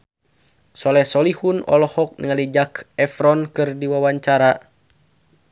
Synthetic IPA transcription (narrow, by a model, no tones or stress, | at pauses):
sɔlɛsɔlihunɔ̰lɔhɔk̚nəŋalid͡ʒakɛfɾɔnkɨrdiwawaɲt͡ʃaɾa